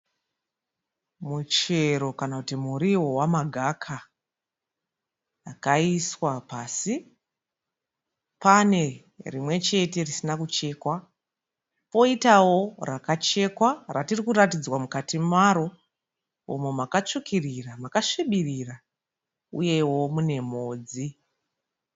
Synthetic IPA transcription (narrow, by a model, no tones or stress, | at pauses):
mut͡ʃe̞ɾo̞kanakutimuɾiwo̞wamaɡʱakʰa | akaiswapaːsi | pane̞ | rimwe̞t͡ʃe̞te̞risinakut͡ʃe̞ːkwa | po̞itawo̞rakat͡ʃe̞kwaratirikuɾatid͡zwamukatimaɾo̞ | o̰memakat͡ʃukʰiriramakaʂiɓirira | ṵje̞wo̞mune̞moːd͡zi